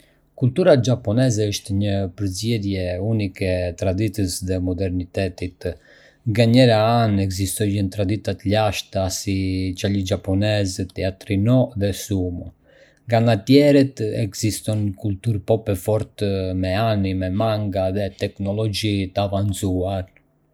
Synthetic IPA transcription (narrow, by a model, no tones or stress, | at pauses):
kult̪uɾad͡ʒapɔnɛzɛəʃt̪ɛɲəpəɾzjɛðjɛunikɛt̪ɾad̪it̪əsðɛmɔd̪ɛɾnit̪ɛt̪it̪ | ŋɡaɲɛɾaanɛɡzist̪ɔjənt̪ɾad̪it̪at̪əʎaʃt̪asit͡ʃalid͡ʒapɔnɛzt̪ɛat̪ɾinɔðɛsumu | ŋɡanat̪jɛɾɛt̪ɛɡzist̪ɔnkult̪uɾpɔpɛfɔɾt̪mɛanimɛmaŋɡaðɛt̪ɛknɔlɔd͡ʒit̪əavant͡suaɾ